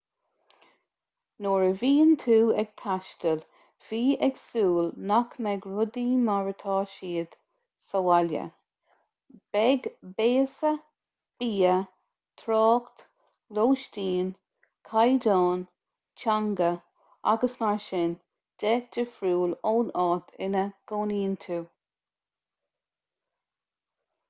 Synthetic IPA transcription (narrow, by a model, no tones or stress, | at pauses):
noːɹəviːnt̪ʰuːɛɡ̥̚t̪ʰaʃtəl | v̥iːɛɡsuːlnakmɛɡɹʊd̪iːmaɹət̪ʰɑːʃiːd̪̥ | səwaljə̰ | b̥ɛɡbeːsə | b̥iːə | t̪ʰɾɑːkt̪ | loːʃtiːn | kʰajdɑːn | t͡ʃaŋɡə | a̰ɡəsmaɹʃɪn | d̥ɛd̥ɪfɾuːloːnɑːt̪ʰɪnəɡ̥oːniːnt̪ʰuː